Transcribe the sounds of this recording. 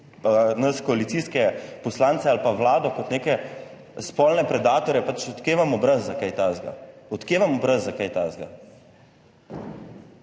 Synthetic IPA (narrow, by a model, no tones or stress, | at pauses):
nɐskɔalit̪siːskɛpɔslant̪sɛalpaʋlaːd̪ɔkɔt̪neːkɛ | spɔlnɛpɾɛd̪aːt̪ɔɾjɛpat͡ʃɔt̪keːʋamɔbɾazːakajt̪azɡa̰ɔt̪keːʋamɔbɾazːakajt̪azɡa̰